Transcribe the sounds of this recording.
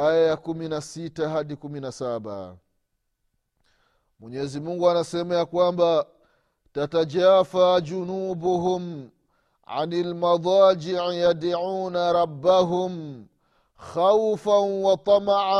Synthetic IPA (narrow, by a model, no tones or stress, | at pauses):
ajajakuminasitaɦaɗikuminasaɓa̰ | mwɛɲɛzimuŋɡuanasɛmajakwamba | tatad͡ʒaːfad͡ʒunuːbuɦum | ʕa̰nalmadˤɑːd͡ʒiʕijadaʕuːnaɾɑbːaɦum | xawfanwɑt̪ˤɑmaʕa